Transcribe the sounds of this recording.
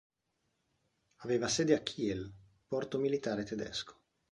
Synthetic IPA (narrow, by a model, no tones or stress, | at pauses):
aveːvasɛːd̪eakʰːiɛl | pɔrt̪omilit̪aːɾet̪ed̪ɛ̰skʰo̥